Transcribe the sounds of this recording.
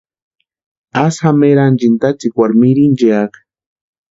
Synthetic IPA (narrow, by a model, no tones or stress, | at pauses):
asxameɾand͡ʒint̪at͡sikwaɾmiɾind͡ʒeak